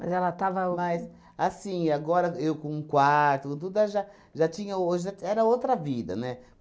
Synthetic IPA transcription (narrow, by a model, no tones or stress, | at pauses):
mɐzɛlɐt̪avɐmɐjs | asĩaɡɔɾɐewkõũkwaɾt̪ʊkõt̪ud̪aʒa | ʒat̪ĩɲɐoʒɪʒaɛɾɐowt̪ɾɐvid̪ɐ̰nɛ